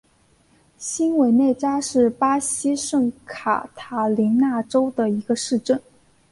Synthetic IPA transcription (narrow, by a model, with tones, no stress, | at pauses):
ɕi˥nwe˧˥ɪne˥˩ɪt͡ɕja˥ʂɻ̩˥˩pa˥ɕi˥ʂɤ˥˩ŋkʰa̰˨˩t̪ʰa˧˥˩li˧˥ŋna˥˩ʈ͡ʂo˥ʊd̪ə˨i˧˥ɡə˧ʂɻ̩˥˧ʈ͡ʂə˥˩n